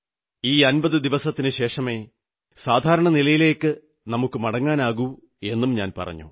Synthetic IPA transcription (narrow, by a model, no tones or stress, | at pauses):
iːɐnbɐðɨd̪iʋɐsɐt̪ːinɨɕe̞ːʂɐme̞ː | saːd̪ʱaːɾɐɳɐnilɐjile̞ːkːɨ | nɐmukːɨmɐɽɐŋːaːnaːɣu | e̞nːumɲa̰ːnpɐ̰rɐ̰ɲːṵ